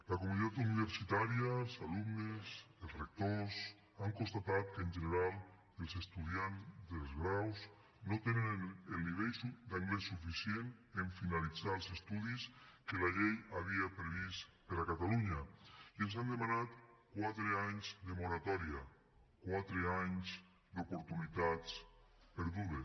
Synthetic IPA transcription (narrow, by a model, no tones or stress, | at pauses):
lakomunit̪at̪uniβ̞eɾsit̪aɾjasalumneselzrek̚t̪os | aŋkonst̪at̪at̪keːnʲʒeneɾalˠ | elˠsest̪uð̞janzd̪elzɣɾaws | not̪enenelniβejsud̪aŋɡlesufisjeneɱfinalid͡zalˠsest̪uðiskelaʎejaβiapɾeβist̪peɾakat̪aluɲaiels̬and̪emanat̪kwat̪ɾeaɲzd̪emoɾat̪ɔɾia | kwat̪ɾeaɲz | d̪opoɾt̪unit̪at͡speɾðuβe